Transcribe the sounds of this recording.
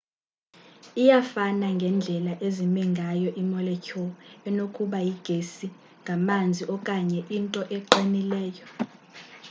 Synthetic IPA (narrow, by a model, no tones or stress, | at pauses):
ijafanaŋɡʱɛnd͡ɮʱɛlaʔezimiŋɡʱajɔʔimɔlɛcʰɔɛnokʰʼuɓajiɡ̥ʱesi | ŋɡʱamand͡zʱiʔɔkʼaɲɛʔintʼɔʔɛǃinilɛːjɔ